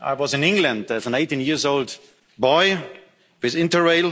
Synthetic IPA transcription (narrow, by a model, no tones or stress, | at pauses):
ʔa̰ɪwɔzɨ̃nɪ̃ŋɡlə̃ndðɨzə̃neɪtĩnjɪɹzoʊlˠd | bɔɪ | wɪðɪ̃ntə˞ɹeɪlˠ